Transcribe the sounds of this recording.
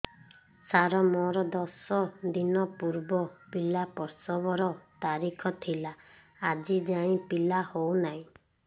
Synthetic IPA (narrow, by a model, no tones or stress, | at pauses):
saɾɔmɔɾɔd̪ɔsɔd̪inɔpuɾbɔpilapɔɾsɔbɔɾɔt̪aɾikʰɔt̪ʰilaː | d͡ʒid͡ʒaɽ̃ĩpilahownaɦĩ